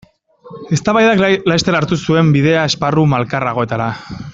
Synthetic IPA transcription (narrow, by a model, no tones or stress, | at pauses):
e̞st̪aβajðaklast̪elaɾt̪usue̞mbiðe̞ae̞sparumalkaraɣo̞e̞t̪aɾa